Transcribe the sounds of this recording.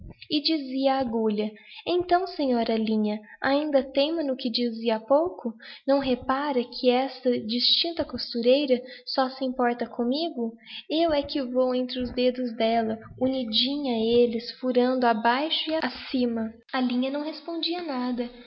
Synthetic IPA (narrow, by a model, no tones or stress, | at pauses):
ɪd͡ʒiziɐːɡoʎɐẽt̪ɐ̃w̃sẽɲɔɾɐlĩɲɐaĩnd̪ɐt̪ẽmɐ̃nʊkɪd͡ʒiziɐapowkʊnɐ̃w̃ɦepaɾɐkʰɪɛsɐd͡ʒist͡ʃĩnt̪ɐkost̪uɾejɾɐsɔsɪĩmpɔɾt̪ɐkʰõmiɡʊ | ewɛkɪvowẽnt̪ɾɪʊzd̪ed̪ʊzd̪ɛlɐunid͡ʒĩɲɐelɪsfuɾɐ̃nd̪ʊabajʃʊiasĩmɐ | ɐlĩɲɐnɐ̃w̃ɦespõnd͡ʒiɐnad̪ɐ